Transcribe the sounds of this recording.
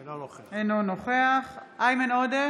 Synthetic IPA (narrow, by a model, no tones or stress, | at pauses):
enonoχeaχʔajmenode